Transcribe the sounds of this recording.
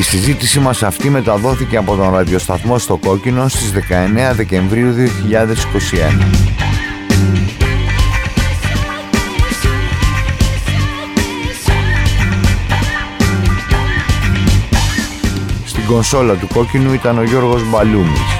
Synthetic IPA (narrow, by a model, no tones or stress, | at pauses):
isizit̪isimɐsɐft̪ime̞t̪ɐðo̞θice̞ɐpo̞t̪o̞nɾɐðjo̞st̪ɐθmo̞st̪o̞ko̞cino̞st̪izðe̞kɐe̞ne̞ɐðe̞ce̞ɱvɾiuðio̞çiʎɐðe̞si̥ko̞sie̞nɐ | st̪iɡo̞nso̞lɐt̪uko̞cinuit̪ɐno̞ʝo̞ɾɣo̞zbɐlumḭs